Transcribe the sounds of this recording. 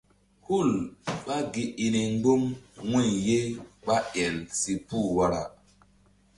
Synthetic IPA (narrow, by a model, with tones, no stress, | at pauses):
hu˦˨lɓa˦ɡi˨ʔi˨ni˨ŋɡ͡bo˦mwi˦˨je˦ɓa˦ʔɛ˨nsi˨pu˦˨wa˦ɾa̰˨